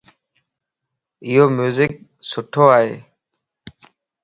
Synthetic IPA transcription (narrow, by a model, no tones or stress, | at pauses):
ɪɦoːmjuːzɪk̚sʊʈʰoːaːɦḛː